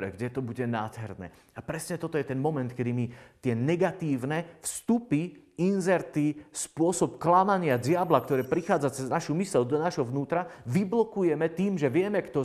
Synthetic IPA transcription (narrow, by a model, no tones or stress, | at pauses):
ɾɛ̰ɡɟɛt̪ɔbuɟɛnaːd̪ɦɛɾnɛ̰ː | apɾɛsɲɛt̪ɔt̪ɔjɛt̪ɛnmɔmɛnt̪kɛd̪imit̪ɪɛnɛɡat̪iːʊnɛfst̪upiinzɛɾt̪ispʊɔsɔpklamaɲɪaɟɪablak̚t̪ɔɾɛːpɾixaːd͡zat͡sɛznaʃumisɛld̪ɔnaʒɦɔʋnuːt̪ɾaʋiblɔkujɛmɛt̪iːmʒɛʋɪɛmɛkt̪ɔ